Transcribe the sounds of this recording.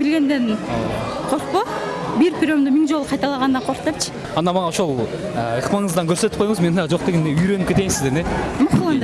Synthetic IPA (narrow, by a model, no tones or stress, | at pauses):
bɪlɡʲe̞nd̪e̞n | qʰoɾqpo | biɾpʰʲɪɾʲomd̪omiŋd͡ʒo̞lˠqʰɑjt̪ɑlˠɑʁɑnd̪ɑɴqʰoɾqt̪ept͡ʃʰɪ̥ | ɑnːɑnmɑʁɑoʃolˠ | əəqmɑɴəzd̪ɑŋkʲʰɵɾset̪ɪpqʰojɴəzmennɑd͡ʒo̞q̚t̪e̞ɡʲe̞nd̪eyjɾø̞nɪpkʲʰet̪e̞jnsɪzd̪enemʊχlˠɑnd̪